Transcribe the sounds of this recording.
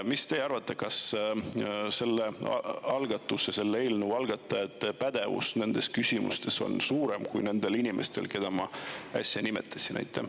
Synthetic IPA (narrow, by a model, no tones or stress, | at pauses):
mist̪eɑrvɑt̪ˑːekɑs | se̞lːeɑ̰ɑlɡɑt̪ːˑusese̞lːeelnuɑlɡ̥ɑt̪ːˑɑet̪ːˑpæd̪̥e̞vṵsne̞nd̪̥e̞skysʲimṵst̪e̞so̞̰nsuːɾemkujne̞nd̪e̞linʲimʔe̞̰st̪e̞lke̞d̪̥ɑmɑæ̰sʲjɑnimet̪ʰːˑɑ̥sinʔæ̰jt̪ʰːˑḛ